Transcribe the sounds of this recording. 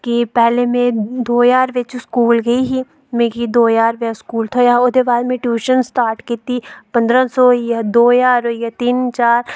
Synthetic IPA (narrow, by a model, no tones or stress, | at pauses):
kipɛːlemẽd̪oːjaːɾʋɪt͡ʃskuːlɡɐiɦiː | mẽːkid̪oːjaːɾʋeskuːlt̪ʰojaod̪ebaːd̪mẽʈjuːʃənsʈaːɾʈkɪt̪iːpɐ̃nd̪ɾãsoːjad̪oːjaːɾojat̪int͡ʃaːɾ